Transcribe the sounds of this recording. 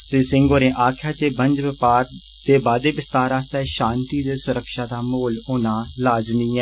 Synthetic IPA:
seːsɪŋɡoːɾẽːʔaːkʰjaːt͡ʃeːbəɲd͡ʒʋɪpaːɾ | d̪̥eːbaːd̪eːʋɪst̪aːɾaːst̪aʃãːnt̪iːd̪eːsʊɾəkʃaːd̪aːmoːloːnaːlaːd͡ʒniːɛː

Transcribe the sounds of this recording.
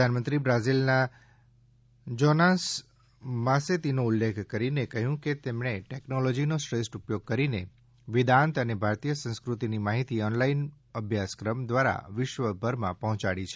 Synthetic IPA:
anmənt̪ɾibɾazilna | d͡ʒɔnas | mãset̪inoulːekʰkəɾinekəɦjũket̪emɳeʈeknolɔd͡ʒinosʈɾesʈupjoɡ̚kəɾine | ʋɪd̪ãnt̪ənebʱaɾt̪ijəsə̃ñskɾut̪inimaɦit̪iɔnlain | əbʱjaskɾəmd̪ʋaɾa̰ʋɪʃʋəbʱəɾmã̰pəɦɔ̃t͡ʃaɽit͡ʃʰe

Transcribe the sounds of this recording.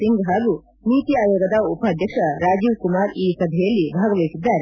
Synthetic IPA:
iŋɡɦaːɡu | niːt̪iaːjoːɡɐd̪ɐupaːd̪ʱjɐkʂɐɾaːd͡ʒiʋkumaːɾiːkɐd̪ʱɛjɐlːibʱaːɡɐʋijsid̪ːaːɾe

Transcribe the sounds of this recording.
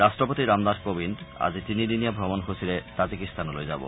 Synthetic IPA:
ɾasʈɾopot̪iɾamd̪aɾkobina̰d͡ʑit̪inidinijabʱɾɔbonɦosiɾet̪ad͡ʑikist̪ʰanolo̰jd͡ʑabo̰

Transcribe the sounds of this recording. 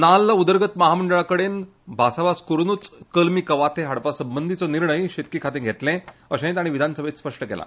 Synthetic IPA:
nalːaud̪əɾɡət̪məɦaməɳɖəɭakəɽen | bʱasabaskuɾnuːt͡skəlmiːkəʋat̪ʰeɦaɽpasəmbənd̪ʱit͡sɔniɾɳəjɕet̪̚kikʰat̪ẽɡʱet̪lɛ̃əɕẽt̪aɽ̃iʋid̪ʱanəsəbʱet̪spəʂʈəkɛ̰lʔa̰

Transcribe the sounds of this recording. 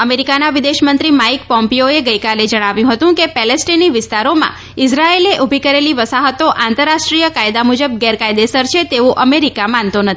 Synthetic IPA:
əmeɾikanaʋɪd̪eʃmənt̪ɾimaikpɔ̃mpijoeɡəjkaled͡ʒəɽ̃aʋjũɦət̪ũkepɛlesʈiniʋɪst̪aɾomã̰ | ɪsɾaeleʔubʱikəɾeliʋəsaɦət̪oʔãnt̪əɾːaʃʈɾijəkajd̪amud͡ʒəb̚ɡɛɾkajd̪esəɾt͡ʃʰet̪eʋũʔəmeɾikamant̪onət̪ʰi

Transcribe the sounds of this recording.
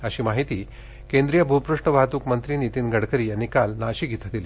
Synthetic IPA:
əɕiːmaɦit̪iː | kend̪ɾijəbʱupɾuʂʈəʋat̪uːkmənt̪ɾiniːt̪iːnɡʱəɽkʰəɾiːjanikalnaɕiːɡʱit̪ad̪ili

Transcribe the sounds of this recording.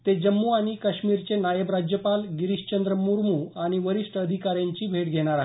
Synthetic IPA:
t̪ed͡ʑəmːuaɽ̃ikəɕmiɾt͡senajəbɾad͡ʑjəpalɡiɾiɕt͡ɕənd̪ɾəmuɾmuaɽ̃iʋəɾiʂʈʰəəd̪ʱikaɾjãɲt͡ɕiːbʱeʈɡʱeɽ̃aɾaɦ

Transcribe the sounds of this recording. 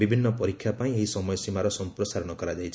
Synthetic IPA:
bibʱinːɔpɔɾikʰjapaĩeɦisɔmɔjɔsimaɾɔsɔmpɾɔsaɾɔɽ̃ɔkɔɾad͡ʒajt͡ʃʰ

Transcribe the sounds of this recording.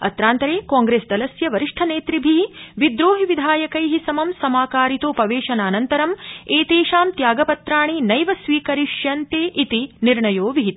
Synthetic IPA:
ɐ̰t̪ɾaːnt̪ɐɾeːkaːŋɡɾeːsd̪ɐlɐsjɐʋɐɾiʂʈʰɐneːt̪ɾibʱiiʋid̪ɾoːɦiʋid̪ʱaːjɐkɐjɦisɐmɐmsɐmaːkaːɾit̪oːpɐʋeːʃɐnaːnɐnt̪ɐɾɐmeːt̪eːʃaːmt̪jaːɡɐpɐt̪ɾaːɳ̃inɐjʋɐsʋiːkɐɾiʃjɐnt̪eːʔit̪iniɾɳɐjoːʋiɦit̪

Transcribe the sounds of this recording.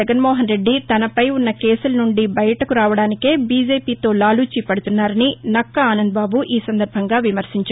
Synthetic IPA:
ɐɡɐnmoːɦɐnɾe̞ɖːit̪ɐnɐpɐjunːɐkeːsulɐnuɳɖibɐjɐʈɐkuɾaːʋɐɽaːnike̞ːbiːd͡ʒe̞ːpiːt̪o̞ːlaːluːt͡ʃipɐɽut̪unːaːɾɐninɐkːɐaːnɐnd̪̚baːbuʔiːsɐnd̪ɐɾbʱɐŋɡaːʋimɐɾsiɲt͡ʃa

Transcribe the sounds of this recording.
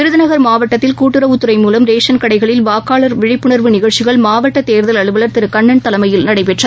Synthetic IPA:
ɪɾɯðɪnɐɣɐɾmaːʋɐʈːɐt̪ːɪlkuːʈːɯɾɐʊt̪ːɯɾɐɪmuːlɐmɾeːʂɐnkɐɽɐɪɣɐɭɪlʋaːkaːɭɐɾʋɪɻɪpːɯɳɐɾʋɯnɪɣɐɭt͡ʃːɪɣɐɭmaːʋɐʈːɐt̪eːɾðɐlɐɭɯʋɐlɐɾt̪ɪɾɯkɐɳːɐɳt̪ɐlɐmɐjɪlnɐɽɐɪpɛʈrɐ

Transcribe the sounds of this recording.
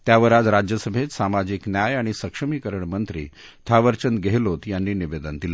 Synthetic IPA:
t̪jaʋəɾad͡zɾad͡ʑjəsəbʱet̪samad͡ʑiknjajaɽ̃isəkʂəmiːkəɾəɳmənt̪ɾḭːt̪ʰaʋəɾt͡ɕənɡʱeɦlot̪janːiːniʋed̪ənd̪ila

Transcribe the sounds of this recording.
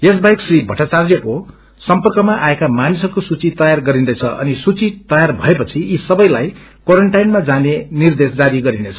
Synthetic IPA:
es̬bajksribʱʌʈat͡sard͡zjʌko | sʌmpʌrkʌmaʔaekamanisʌrkosut͡sit̪ʌjarɡʌɾinet͡sʰʌʔʌ̰nisut͡sit̪ʌjarbʱʌepʌt͡sʰiisʌbʌjlajkwoɾʌɳʈajnmad͡zanenird̪esd͡zaɾiɡʌɾinet͡sʰʌ̥

